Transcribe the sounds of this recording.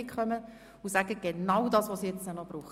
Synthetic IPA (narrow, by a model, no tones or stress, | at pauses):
ɪkχœmə | ʊsæɡ̥əɡ̥enɑwdɑːsʋosijɛt͡stənɔb̥ɾuːχə